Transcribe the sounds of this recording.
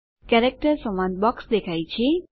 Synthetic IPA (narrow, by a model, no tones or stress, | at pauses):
kɛɾek̚ʈəɾsəmanbɔksd̪ekʰajt͡ʃʰie